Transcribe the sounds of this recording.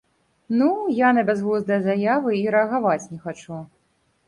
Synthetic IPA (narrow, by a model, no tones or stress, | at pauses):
nujanɐbʲɛzɣuzd̪ɐjɐzajavɨiɾɛɐɣavat͡sʲnʲɛxat͡ʂu